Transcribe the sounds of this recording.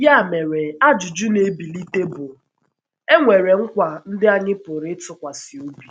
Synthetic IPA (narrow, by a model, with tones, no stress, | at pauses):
ja˦˨me˨ɾe˨a˦d͡ʒʊ˨d͡ʒʊ˦ne˦bi˨li˦te˦bʊ˨ | e˦ŋʷe˨ɾe˨ŋ̩˦kʷa˨n̩˦dɪ˦a˦ɲɪ˦pʊ˨ɾɪ˦tʊ˦kʷa˨sɪ˨o˦bi˨